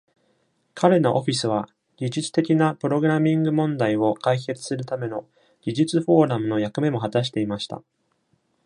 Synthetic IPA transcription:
kʰaɾe̞no̞ʔo̞ɸʲisɨβa | ɡ̥ʲiʑit͡sɨ̥t̪e̞kʲinapɯ̟ɾo̞ɡɯ̟ɾamʲĩŋɡɯ̟mõ̞nd̪aio̞kaike̞t͡sɨ̥sɨɾɯ̟t̪ame̞no̞ | ɡ̥ʲiʑit͡sɨɸo̞ːɾamɯ̟no̞jakɯ̟me̞mo̞ɦat̪aɕ̬i̥t̪e̞imaɕi̥t̪a̰

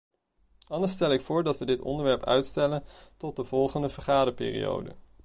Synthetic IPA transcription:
ɑndəɹstɛlˠɪkfʊːɹdɑtʋədɪtɔ̰ndəɹʋɛɹpœ̰ɥtstɛləntɔt̚dəv̥ɔlˠχəndəv̥əɹχaːdəpɪ̰ːrḭjo̰wdə̰

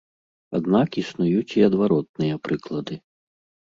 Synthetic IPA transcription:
a̰d̪nakisnujut͡sʲiɐd̪vaɾɔt̪̚nɨjɐpɾɨklˠɐd̪ɨ

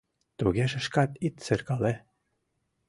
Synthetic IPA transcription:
t̪uɣʲeʃɘ̆ʃkɑt̪it̪sɘ̆rkɑle

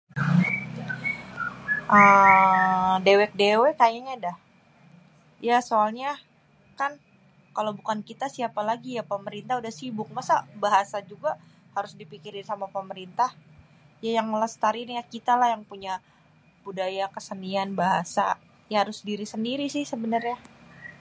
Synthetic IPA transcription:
ʔə | dewɛk̚dewekajaɲadah | jasoalɲa | kan | kalawbukankit̪asiapalaɡijapəməɾint̪ahudahsibʊk̚masabaɦasad͡ʒuɡa | haɾʊsdipikiɾɪnsamapəməɾint̪ah | jajaŋləst̪aɾɪnjakit̪alahjaŋpuɲa | b̥udajakəsənianbaɦasa̰ | jahaɾʊsdiɾisəndiɾisɪhsəbənərɲa

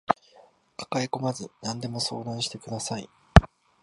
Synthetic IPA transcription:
kḁkaeko̞mazɨnãnd̪e̞mo̞so̞̰ːd̪ãɰ̃ɕi̥t̪e̞kɯ̟d̪asai

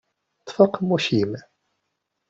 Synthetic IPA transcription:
t̪ˤfəqmːuʃim

